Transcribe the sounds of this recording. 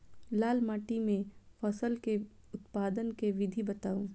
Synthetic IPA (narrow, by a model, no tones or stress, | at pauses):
laːlmaːʈimẽfɐsəlke | ʊt̪paːd̪ənkeʋɪd̪ʱibɐt̪aːũː